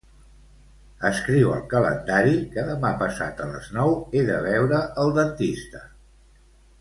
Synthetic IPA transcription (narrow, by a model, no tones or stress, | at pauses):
əskɾiwə̰lˠkələ̰nd̪aɾikəðəmapəsa̰t̪ələ̰znɔweðəβ̞ɛwɾəʔəlˠd̪ənt̪ist̪ə